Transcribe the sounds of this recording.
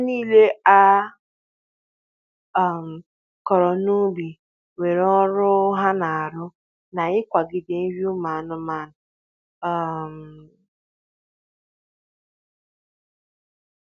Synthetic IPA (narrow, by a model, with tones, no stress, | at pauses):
niː˦le˦a˦˨ | m̩˨ | kɔ˨ɾɔ˨nu˦bi˨ | we˨ɾɔ˦ɾʊ˦ɦa˦na˨a˨ɾʊ˦ | na˨ɪ˦kʷa˨ɡɪ˨de˨n̩˦wju˦ma˨nʊ˦ma˨nʊ˨ | m̩˨